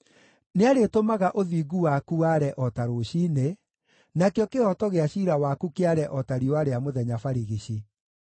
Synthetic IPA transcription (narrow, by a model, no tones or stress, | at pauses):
neaɾetomaɣaʔoðiːɡuwakuaɾɛʔɔtaɾoɕiːne | nakeɔkeɔtɔɣeaɕiɾawakukeaɾɛʔɔtaɾiwaɾeamoðɛɲafaɾiɣiɕi